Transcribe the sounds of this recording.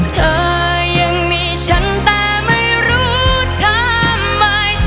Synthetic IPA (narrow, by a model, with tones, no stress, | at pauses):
t̪ʰɤː˧ | jɯ˧ŋmiː˧t͡ɕʰa˦˥nt̪ɛː˧˩ma˥˩jɾuː˦˥ | t͡ɕʰa˧˥ | mːa˧j